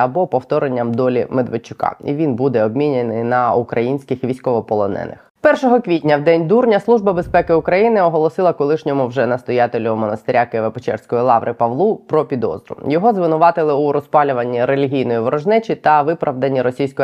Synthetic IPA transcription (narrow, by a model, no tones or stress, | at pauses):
ɐbɔpɔwt̪ɔɾenʲːɐmd̪ɔlʲimed̪ʋet͡ʃːʊ̥kɑ̰ḭʋʲinbud̪ɛɔbmʲinʲenɪjnɐukɾɐjinʲsʲkɪxʋʲijsʲkɔʋɔpɔlˠɔnɛ̰nɪ̰x | pɛrʃɔɦɔkʋʲitʲnʲɐwd̪ɛnʲd̪urnʲɐslˠuʒbɐbespɛkɪʊkɾɐjinɪɔɦɔlˠɔsɪlˠɐkɔlˠɪʃnʲɔmʊwʒɛnɐst̪ɔjat̪elʲʊmɔnɐst̪ɪɾʲakɪʋepɔt͡ʃɛ̰rsʲkɔjilˠɑʋɾʔɪpɐʋlˠupɾɔpʲid̪ɔ̰zɾʊ̰jɔɦɔzʋɪnʊʋɑt̪ɪlˠɪuɾɔspɑlʲʊʋɐnʲːiɾelʲiɦʲijnɔjiʋɔɾɔʒnɛt͡ʃit̪ɐʋɪpɾʔɐʋd̪ɐnʲːiɾɔsʲijsʲkɔj